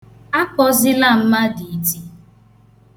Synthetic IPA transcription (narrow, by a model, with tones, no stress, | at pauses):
a˦kɔ˦zɪ˦la˦˨m̩˦ma˦di˨˦ti˦